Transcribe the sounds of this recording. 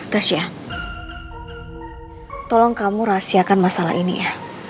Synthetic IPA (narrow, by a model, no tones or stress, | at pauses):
d̥aʃia | t̪ɔlɔŋkamuɾasiakanmasala̰ʔinḭjah